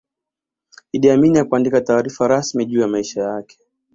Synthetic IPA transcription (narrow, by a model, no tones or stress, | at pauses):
iɗiaminijakuandikataːɾifaɾasmiʄuːjamaiʃajakɛ̥